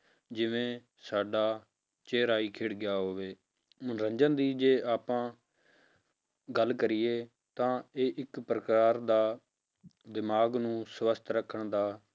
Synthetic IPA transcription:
d͡ʒɪʋẽː | saːɖaː | t͡ʃeːɾaːiːkʰeːɽɡɪjaːɦoːʋeː | mʊnɾə̃ɲd͡ʒənd̪iːd͡ʒeːʔaːpãː | ɡəlːkəɾɪːeː | t̪ãːeːʔɪkpɾəkaːɾd̪aː | d̪ɪmaːɡnũːsʋəst̪ʰɾəkʰəɳd̪aː

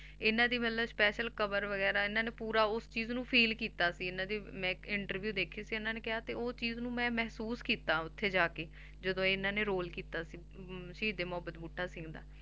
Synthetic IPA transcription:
ɪnãːd̪iːmət̪ləbspɛːʃəlkəbəɾʋəɡɛːɾaːɪnãːneːpuːɾaːʊst͡ʃiːznũːpʰiːlkiːt̪aːsiːɪnãːd̪iːmɛ̃ːɪɳʈəɾʋjuːd̪eːkʰiːsiːɪnãːneːkɪɦaːt̪eːoːst͡ʃiːznũːmɛ̃ːmɛːɦsuːskiːt̪aːʊt̪ʰːeːd͡ʒaːkeː | d͡ʒəd̪õːɪnãːneːɾoːlkiːt̪aːsiː | ʃəiːd̪eːmʊəbːət̪buːʈʰːaːsɪ̃ŋɡd̪a̰ː

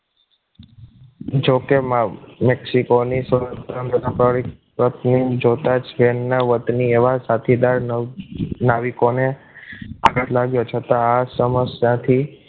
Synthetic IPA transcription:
d͡ʒokemmeksikonisəɾət̪ɾənd̪əd̪apəɭik | pɾət̪nid͡ʒot̪at͡ʃʋenːaʋət̪nieʋasat̪ʰid̪aɾ | naʋikone | a̰ɡəʈʰlaɡjot͡ʃʰət̪aasəməsjãt̪ʰi

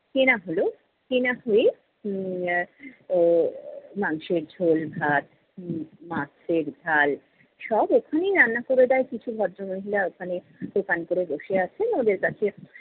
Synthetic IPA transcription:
kenaɦolo | kenaɦoe | maŋʃeɾd͡ʑʱolbʱat̪ | mat͡ɕʰeɾd̪ʱal | ʃɔbokʰanejɾanːakoɾed̪aekit͡ɕʰubʱɔɾomoɦilaokʰane | d̪̥okankoɾeboʃeat͡ɕʰenod̪eɾkat͡ɕʰe

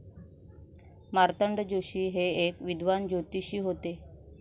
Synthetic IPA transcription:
maɾt̪əɳɖd͡ʑoɕiːɦeekʋid̪ʋand͡ʑot̪iɕiːɦot̪e

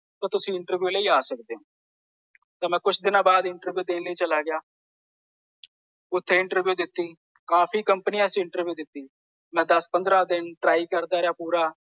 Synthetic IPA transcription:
t̪ãːt̪ʊsĩːɪɳʈəɾʋjuːləiːaːsək̚d̪eːõː | t̪ãːmɛ̃ːkʊt͡ʃʰd̪ɪnãːbaːd̪ɪɳʈəɾʋjuːd̪eːnləiːt͡ʃəlaːɡɪjaː | ʊt̪ʰːeːɪ̃ɳʈəɾʋjuːd̪ɪt̪ːiː | kaːpʰiːkəmpənɪãːsĩɪɳʈəɾʋjuːd̪ɪt̪ːiː | mɛ̃ːd̪əspənd̪ɾaːd̪ɪnʈɾaːiːkəɾd̪aːɾeaːpuːɾaː

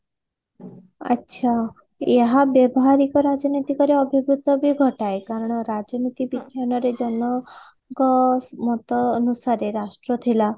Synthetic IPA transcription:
a̰tːʃʰa | eɦabjɔbɔɦaɾikɔɾad͡ʒɔnit̪ikɔɾeɔbʱibɾut̪ɔbʱiɡʱɔʈaekaɾɔɽ̃ɔɾad͡ʒɔnit̪ibikjanɔɾed͡ʒɔnɔ | kɔmɔt̪ɔːnusaɾeɾasʈɾɔt̪ʰila

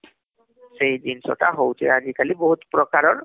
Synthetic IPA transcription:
sejd̪insɔ̰ʈʰaɦowt͡ʃʰɛ̰ad͡ʒikalibɔɦut̪pɾɔkaɾɔɾ

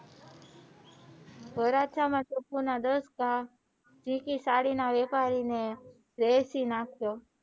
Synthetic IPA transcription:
bəɾat͡ʃʰamãtopunad̪əska | d͡ʒĩkisaɽinaʋɛpaɾine | ɾesinãkʰto

